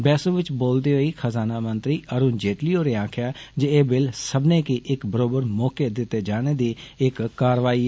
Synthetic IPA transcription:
bɛːsõːʋɪt͡ʃboːld̪eːɦoiːkʰəzaːnaːmənt̪ɾiːʔəɾuːnd͡ʒeːʈliːoːɾeːãːkʰjaːd͡ʒeeːbɪlsəbneːkiʔɪkbəɾoːbəɾmɔːkeːd̪ɪt̪ːeːd͡ʒaːɽ̃eːd̪iːɪkːaːɾʋaːiː

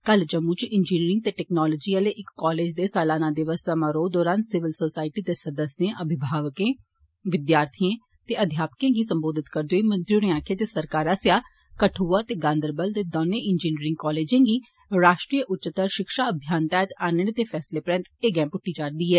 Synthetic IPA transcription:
kəld͡ʒəmːut͡ʃɪnd͡ʒiːniːɾɪ̃ŋɡt̪eːʈɛːknɔːloːd͡ʒiːəleːʔɪkːɔːleːd͡ʒd̪eːsɛːlaːnãːd̪ɪʋəssəmaːɾoːd̪ɔːɾaːnsɪʋəlsoːsaːɪʈiːd̪eːsəd̪əsjẽːʔəbʱɪbʱaːʋəkẽː | ʋɪd̪jaːɾt̪ʰijẽː | t̪eːʔəd̪ʱjaːpə̥kẽːɡiːsəmboːd̪ɪt̪kəɾd̪oːiːmənd͡ʒɾuːɾẽãːkʰeːt̪eːsəɾkaːɾaːsjaː | kəʈʰuːaːt̪eːɡãːnd̪əɾbəlt̪eːd̪oːnẽːʔɪnd͡ʒiːniːɾɪ̃ŋɡkɔːleːd͡ʒẽːɡiː | ɾaːʃʈɾiːəʔʊtːt͡ʃət̪əɾʃɪkʃaːəbʱjaːnt̪ɛːt̪aːnəɽt̪eːpʰɛːsleːpɾɛ̃nt̪eːɡɛ̃ːmpʊʈːiːd͡ʒaːɾd̪iːɦɛː

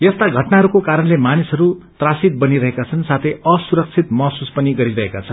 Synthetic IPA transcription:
jʌst̪aɡʱʌʈnaɦʌɾukokaɾʌnlemanisɦʌɾut̪rasit̪̚bʌniɾʌɦekat͡sʰʌnsat̪ʰejʌsuɾʌk̚t͡sʰit̪mʌsuspʌniɡʌɾiɾʌɦekat͡sʰʌnn

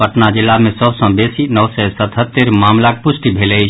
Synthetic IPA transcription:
pəʈnad͡ʒɪlːamẽsəbsə̃besinəʋsɛsət̪ɦət̪ːeɾmaːmlak̚pʊsʈibʱele

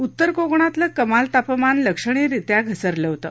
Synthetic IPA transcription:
ut̪ːəɾkoɡɳ̃at̪ləkəmalt̪apəmanləkʂəɳ̃iɾit̪jaɡʱəsəɾləʋt̪ə̰

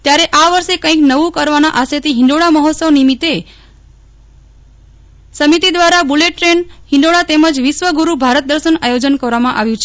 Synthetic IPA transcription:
t̪jaɾeʔaʋəɾʃekə̃ĩknəʋũkəɾʋanaʔaset̪iɦɪ̃ɳɖoɽaməɦɔt̪səʋnimit̪e | səmit̪id̪ʋaɾabuleʈːɾenhɪ̃ɳɖoɽat̪eməd͡ʒʋɪʃʋəɡuɾubʱaɾət̪̚d̪əɾʃənajod͡ʒənkəɾʋamãʔaʋjũt͡ʃʰe

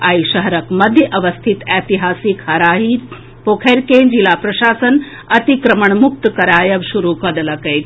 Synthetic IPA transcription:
aːiʃɐɦɐɾɐkmɐd̪ʱjəʔɐʋɐst̪ʰit̪ɛːt̪iɦaːsikhɐɾaːɦiː | poːkʰeːɾkeːd͡ʒilaːpɾɐʃaːsɐn | ɐt̪ikɾɐməɳmuk̚t̪kɐɾaːjɐʋʃuɾuːkɐd̪ɐlɐkɐjt̪

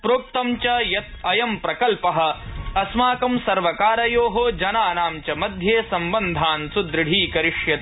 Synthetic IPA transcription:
pɾoːk̚t̪ɐmt͡ʃɐjɐt̪ɐjɐmpɾɐkɐlpɐɦɐ̆ɐsmaːkɐmsɐɾʋɐkaːɾɐjoːɦod͡ʒɐnaːnaːmt͡ʃɐmɐd̪ʱjeːsɐmbɐnd̪ʱaːnsud̪ɾɪɽ̤ʱiːkɐɾiʂjɐt̪

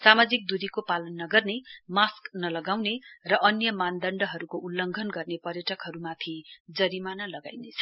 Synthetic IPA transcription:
samad͡zik̚d̪ud̪ikopalʌnːʌɡʌrnemasknʌlʌɡawnerʌʔʌnjʌmand̪ʌɳɖʌɦʌɾukoʔulːʌŋɡʱʌnɡʌrnepʌrjʌʈʌkɦʌɾumat̪ʰid͡zʌɾimanʌlʌɡa̰jnet͡sʰʌ̥

